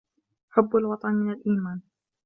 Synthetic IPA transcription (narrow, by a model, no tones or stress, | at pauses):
ʔħʊbːalwɑt̪ˤɑnmɪnalʔiːmaːn